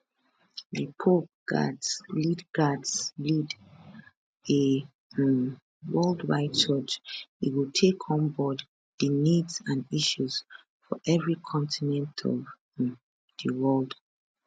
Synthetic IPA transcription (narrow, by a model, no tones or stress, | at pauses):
ðəpʰop̚ɡ̥a̰dslidɡadslid | e | wɜldwa̰ɪt̚t͡ʃɔt͡ʃiwitʰekʰɔ̃nbɔd | ðənidzãniʃuz̥ | fɔ̰ʔɛvɹikʰɔ̃ntʰinɛ̃ntʰɔ̰v | ðəwɜld